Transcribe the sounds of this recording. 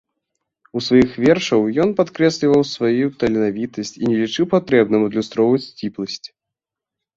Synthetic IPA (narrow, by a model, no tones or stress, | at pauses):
usvajixvʲɛrʂɐwjɔnpat̪kɾɛsʲlʲivɐwsvajut̪ɐlʲɛnavʲit̪ɐsʲt͡sʲinʲɛlʲit͡ʂɨwpat̪ɾɛbnɐmud̪lʲust̪ɾɔwvɐt͡sʲt͡sʲiplˠɐsʲt͡sʲ